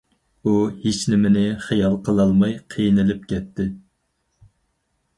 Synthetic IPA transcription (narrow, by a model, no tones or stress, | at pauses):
uhet͡ʃnɪmɪnɪχijɑlˠqʰəlˠɑlˠmɑjqʰijnɪlɪp̚kʲʰɛt̪ʰːɪ